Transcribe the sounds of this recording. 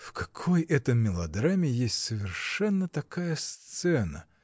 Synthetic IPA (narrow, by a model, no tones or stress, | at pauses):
fkɐkʰojɛt̪əmːʲɪlˠɐd̪ɾamʲɪjesʲtʲsəvʲɪrʂɛnːət̪ɐkajəst̪sɛnə̰